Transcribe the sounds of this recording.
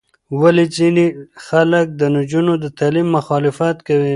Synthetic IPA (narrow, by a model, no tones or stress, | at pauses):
walezinexalək̚d̪ənʊd͡ʒunod̪ət̪alimːʊxɑlɪfat̪kawi